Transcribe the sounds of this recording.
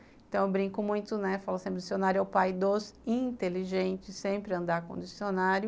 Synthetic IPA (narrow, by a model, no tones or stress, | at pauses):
ẽt̪ɐ̃w̃ewbɾĩkʊmũj̃t̪ʊnɛfalʊsẽpɾɪd͡ʒisionaɾjʊawpajd̪osĩt̪eliʒẽnt͡ʃɪsːẽpɾɪɐ̃nd̪akõd͡ʒisionaɾjʊ